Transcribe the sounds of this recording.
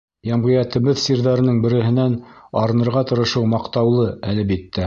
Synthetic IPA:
jæmʁɤ̆jæt̪ɘ̆βɘðsiɾðæɾɘ̆nɘŋbɘ̆ɾɘ̆ɦɘ̆nænɑɾɤ̆nɤ̆ɾʁɑt̪ɤ̆ɾɤ̆ʃɤwmɑqt̪ɑwlˠɤælɘbit̪ːæ

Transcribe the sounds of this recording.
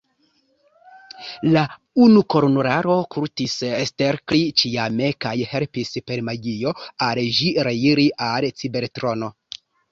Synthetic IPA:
la | unuko̞ɾnoɾaɾo̞kʰuɾtisesteɾklit͡ʃijame̞kajhe̞lpispe̞ɾmajijo̞alʒiɾeiɾiʔalt͡sibe̞ɾtɾo̞no̞

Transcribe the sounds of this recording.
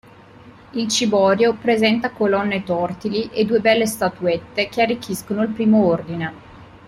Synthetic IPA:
ilt͡ʃibɔːɾjopɾezɛnt̪akolɔnːet̪ɔrt̪iliʔed̪uːebɛlːest̪at̪uɛt̪ːek̟earːik̟ːiskonoilpɾiːmoord̪ine

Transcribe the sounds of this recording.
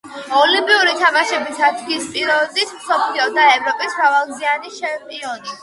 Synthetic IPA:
ɔlimpʼiuɾit̪ʰamaʃɛbisat̪ʰɡiːspʼiɾɔd̪ismsɔpʰliɔd̪aɛvɾɔpʼismɾavalˠɡzianit͡ʃʰɛmpʼiɔni

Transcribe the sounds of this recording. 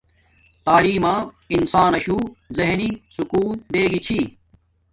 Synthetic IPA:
t̪aːliːmãː | ɪnsaːnɐɕuːzeɦniːsʊkuːnd̪eːɡit͡ɕʰiː

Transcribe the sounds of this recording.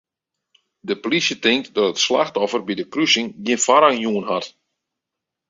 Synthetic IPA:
dəplisjətɪŋk̚tdɔtətslaxtɔfərbidəkrysɪŋɡjinfaɾaŋjuənɦat

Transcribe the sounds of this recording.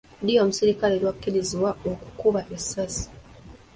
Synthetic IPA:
dijomusiɾikalelwakːiɾiziwaoku̥kuβaʔesasi̥

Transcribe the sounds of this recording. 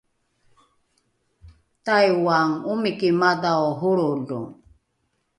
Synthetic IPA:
t̪ajwaŋumikimad̪aɔɦuɾulṵ

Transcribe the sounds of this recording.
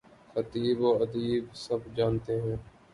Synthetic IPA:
xət̪iːboːəd̪iːbsəbd͡ʒaːnt̪eːɦɛ̃ː

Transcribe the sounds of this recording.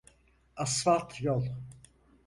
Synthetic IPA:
asvat̪ʰjɔlˠ

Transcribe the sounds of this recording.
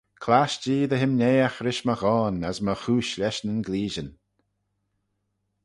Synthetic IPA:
kʰlaʃd͡ʒiːd̪əɦɪmnʲeːaxɾɪʃməxɔːnəsməxuːʃlɛʃnənɡliːʒən

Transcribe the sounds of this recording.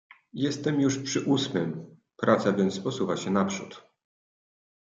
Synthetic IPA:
jɛst̪ɛmjuʂpʂɘʔusmɘm | pɾʔat̪savʲjɛnt̪spɔsuvaɕɛnapʂṵt̪

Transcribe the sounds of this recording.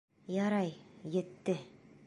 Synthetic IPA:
jɑɾɑjjɘ̆t̪ːɘ

